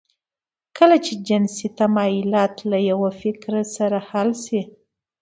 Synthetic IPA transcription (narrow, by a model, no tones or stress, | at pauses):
kəlat͡ʃed͡ʒɪnsit̪amɑjilɑt̪lajawafɪkɾasaɾahalsi